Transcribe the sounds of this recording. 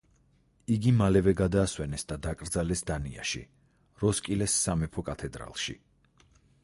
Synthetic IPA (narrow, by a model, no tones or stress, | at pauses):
iɡimalɛvɛɡad̪aːswɛnɛsd̪ad̪akʼɾd̪zalɛsd̪ania̰ʃḭ | ɾɔskʼilɛsːamɛpʰɔkʼat̪ʰɛd̪ɾa̰lˠʃḭ